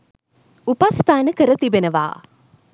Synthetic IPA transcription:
upast̪aːnəkəɾət̪ibenəʋa̰ː

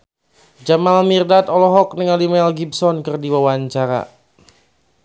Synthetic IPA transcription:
d͡ʒamalmirdat̪ɔlɔɦɔk̚nəŋalimɛlɡibsɔnkɨrdiwawaɲt͡ʃaɾa̰

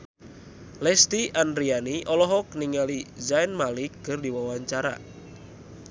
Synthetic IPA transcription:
lɛst̪ianrianiʔɔlɔɦɔk̚niŋalizajnmalikːɨrdiwawaɲt͡ʃaɾa̰

